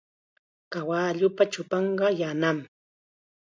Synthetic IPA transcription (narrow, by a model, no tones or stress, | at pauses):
kawaʎʊpat͡ʃʊpɑɴɢɑjanam